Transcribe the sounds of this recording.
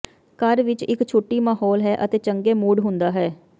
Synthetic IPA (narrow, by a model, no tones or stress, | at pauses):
kəɾʋɪt͡ʃɪkt͡ʃʰoːʈːiːmaːɦɔːlɦɛːʔət̪eːt͡ʃəŋɡeːmuːɖɦʊ̃nd̪aːɦɛː